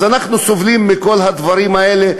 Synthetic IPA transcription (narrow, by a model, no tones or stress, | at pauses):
zanaχnusovlimːiko̞lɦad̪vaɾimaele